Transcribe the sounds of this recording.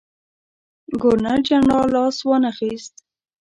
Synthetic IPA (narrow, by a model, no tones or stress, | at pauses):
ɡʊɾnad͡ʒaɳɑlɑswɑnaxist̪